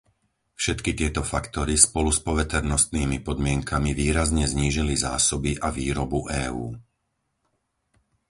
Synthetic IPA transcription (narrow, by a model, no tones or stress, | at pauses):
fʃɛt̪kit̪ɪɛt̪ɔfakt̪ɔɾispɔluspɔʋɛt̪ɛɾnɔst̪niːmipɔd̪mɪɛŋkʰamiʋiːɾazɲɛzɲiːʒiliza̰ːsɔbiʔaʋiːɾɔbuʔɛːuː